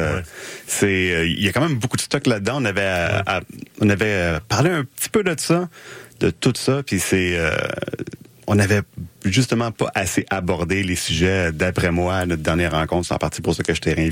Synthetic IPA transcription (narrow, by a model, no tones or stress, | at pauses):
sɛjakãmɛ̃mbokud̪əst̪ɔklad̪əd̪ãɔ̃navɛ | ɔ̰̃navɛpaʁleɛ̃pət̪i̥pød̪əsʌd̪ət̪ut̪sʌpisɛø̰ | ɔ̃navɛʒyst̪əmɑ̃pʌ̰ʔaseʔabɔʁd̪elesyʒɛd̪apʁɛmwanɔt̪̚d̪ɛʁnjɛːʁːɑ̃kɔ̃t̪χsɑ̰̃paʁt̪ipuʁsəkɛʒə̥t̪ɛʁjɛ̃